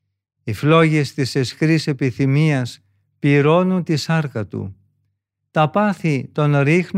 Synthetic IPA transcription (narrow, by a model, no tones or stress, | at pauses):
iflo̞ʝe̞st̪ise̞skɾise̞piθimiɐs | piɾo̞nunt̪isɐɾkɐt̪ṵ | t̪ɐpɐθit̪o̞nɾixn